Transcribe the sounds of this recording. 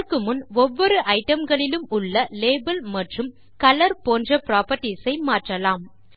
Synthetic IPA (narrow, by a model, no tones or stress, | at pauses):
kːɯmʊnɔʋːɔɾɯʔɐɪʈɐmɡɐɭɪlɯmʊɭːɐleːbɐlmɐʈrɯm | kɐlɐɾpoːndrɐpɾaːpɐʈːisɐɪmaːʈrɐlaːm